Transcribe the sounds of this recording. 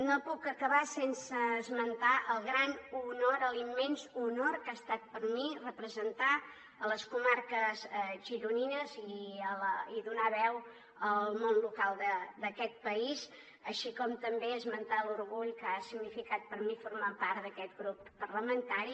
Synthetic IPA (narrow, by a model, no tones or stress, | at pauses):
nopukəkəβasensəːzmənt̪aʔəlˠɣɾanunoɾəlimːɛnzunoɾkast̪at̪̚pəɾmirəpɾəzənt̪a | ələskumarkəzʒiɾuninəziəliðunaβɛw | əllˠmonlukalˠd̪əd̪əkɛt̪̚pəiz | əʃikɔmt̪əmbeəzmənt̪aluɾɣuʎkəasiɡnifikat̪̚pəɾmifuɾmapaɾt̪d̪əkɛt̪̚ɡɾupːərləmənt̪aɾi